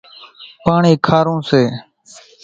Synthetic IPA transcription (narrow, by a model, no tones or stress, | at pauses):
paːɳiːkʰaːɾõːseː